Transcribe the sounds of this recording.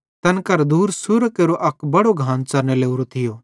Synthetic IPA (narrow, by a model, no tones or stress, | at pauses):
t̪ɐnkɐɾd̪uːɾsʊɾkeːɾoʔɐkbɐɽoɡʱãːnt͡sɐɾneleːuɾot̪ʰɪjoː